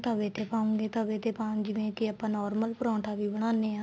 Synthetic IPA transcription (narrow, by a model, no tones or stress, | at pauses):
t̪əʋeːt̪ʰeːpãːũːŋɡeːt̪əʋẽːt̪ʰeːpãːd͡ʒɪʋẽːkɪaːpãːnɔːɾməlpəɾɔ̃ːʈaːʋiːbəɽ̃aːneːãː